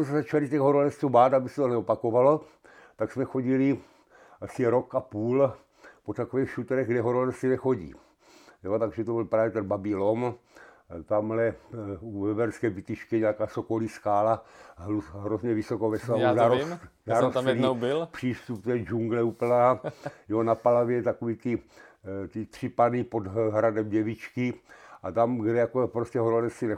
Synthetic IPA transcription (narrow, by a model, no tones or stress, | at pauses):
osɛzat͡ʃalit̪ɛɣɦoɾolɛst̪ubaːt̪abisɛt̪onɛopakovalo | t̪aksmɛxo̞ɟili | ʔasiɾo̞kapuːl | pot̪akovɛːxʃut̪ɛɾɛɣɡdɛɦoɾolɛsinɛxo̞ɟḭː | jot̪aɡʒɛt̪obɪlpɾaːvjɛt̪ɛnbabilon | t̪amlɛuvɛbɛɾskɛːvit̪iʃkɛɲakaːsokoliskaːlauɦɾozɲɛvisokovɛslauzaɾomzaɾosɛlinobɪlpr̥iːst̪upt̪ɛːd͡ʒuŋɡlɛup̩aːjonapalavjɛt̪akoviːt̪ɪ | t̪ɪt̪r̥ɪpanipod̪ɦɾadɛmɟɛvit͡ʃkɪʔat̪amɡdɛjakopɾoscɛɦoɾolɛsinɛ